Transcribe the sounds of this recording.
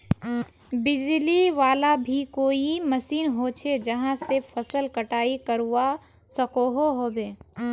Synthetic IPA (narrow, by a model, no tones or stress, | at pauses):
bɪd͡ʒliʋaːlabʱikoːiməsiːnɦot͡ʃʰed͡ʒɐɦãsepʰəsəlkɐʈaːikəɾua | səkoɦoɦoːbeː